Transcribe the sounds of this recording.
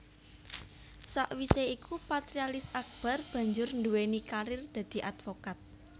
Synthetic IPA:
saʔwiseikupat̪ɾialɪsak̚b̥a̤rb̥ä̤ɲd͡ʒʊrnd̪uwenikaɾɪrd̪̥ä̤d̪̥i̤ʔad̪fokat̪̚

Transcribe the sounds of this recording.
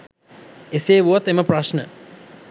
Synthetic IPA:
eseːʋuat̪eməpraʃnə

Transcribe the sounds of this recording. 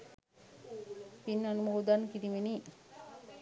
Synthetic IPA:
pinːanumoːd̪ankiɾimeni

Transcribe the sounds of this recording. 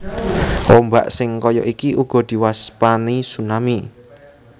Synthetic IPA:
omba̰ʔsɪŋkɔjɔ̰ʔikiʔuɡ̥ɔ̤d̪̥i̤waspanisunami

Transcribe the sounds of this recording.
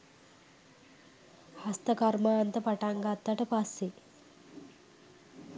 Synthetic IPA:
hast̪əkɐɾmaːnt̪əpaʈaŋɡat̪ːaʈəpasːi

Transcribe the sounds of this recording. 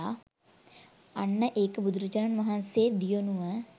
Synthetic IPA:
a | ɐnːəʔeːkbud̪ɾət͡ʃɐɾənmɐɦanseːd̪ijonuʋə

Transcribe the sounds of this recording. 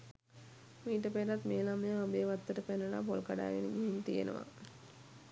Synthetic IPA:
miːʈ̬əpeɾat̪meːlaməjəabejʋat̪ːəʈəpenəla̰polkaɖa̰ːɡenəɡiɦint̪ijḛnə̰ʋa̰

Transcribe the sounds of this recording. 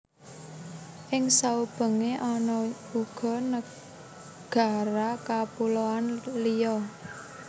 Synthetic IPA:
ʔɪŋsaub̥ə̤ŋeʔɔnɔ̥ | uɡ̥ɔ̤nə | ɡ̥a̤ɾakapuloanlijɔ

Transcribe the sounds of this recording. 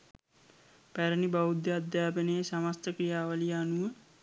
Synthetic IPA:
pæɾənibaud̪jɐad̪jaːpənejəsamast̪əkɾijaːʋəlijanuʋə

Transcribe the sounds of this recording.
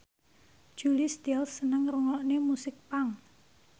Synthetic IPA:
ʒ̥ulist̪ɛlsːənəŋruŋɔʔnemusɪk̚paŋ

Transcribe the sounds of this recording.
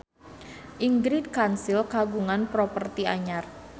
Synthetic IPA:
ʔiŋɡɾid̚kansilkaɡuŋanpɾopərt̪iaɲar

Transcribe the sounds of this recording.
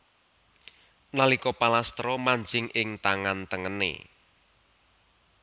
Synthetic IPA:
nalikɔpalast̪ɾɔmaɲd͡ʒɪŋʔɪŋt̪aŋant̪əŋənḛ

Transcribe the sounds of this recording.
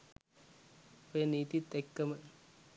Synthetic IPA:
peniːt̪it̪ekːɐmɐ

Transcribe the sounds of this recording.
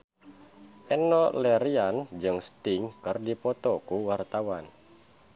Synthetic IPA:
ʔɛnɔlɛɾiand͡ʒɨŋst̪ɪŋkɨrdipɔt̪ɔkuwart̪awan

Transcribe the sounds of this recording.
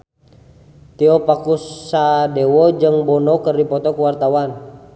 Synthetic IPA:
t̪iɔpakusadewɔd͡ʒɨŋbɔnɔkərdipɔt̪ɔkuwart̪awan

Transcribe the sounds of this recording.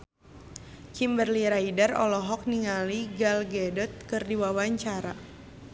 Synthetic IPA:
kimbərliɾaidərɔ̰lɔɦɔk̚niŋaliɡalɡɛdɔt̪̚kɨrdiwawaɲt͡ʃaɾa

